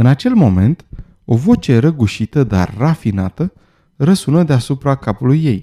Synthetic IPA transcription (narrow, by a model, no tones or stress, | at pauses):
ɨnat͡ʃe̞lmo̞me̞nt̪ | o̞vo̞t͡ʃe̞ɾəɡuʃit̪əd̪a̰rːafina̰t̪ə | rəsunəd̪easupɾakapulujːe̞j